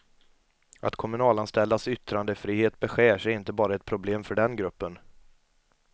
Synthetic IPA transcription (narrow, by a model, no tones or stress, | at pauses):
at̪kʰɔmɵnɑːlanst̪ɛld̪asʏt̪ɾand̪əfɾiːheːt̪bɛɧeːʂɛɾɪnt̪əbɑːɾaɛt̪̚pʰɾʊbleːmfœɖɛnɡɾɵpːən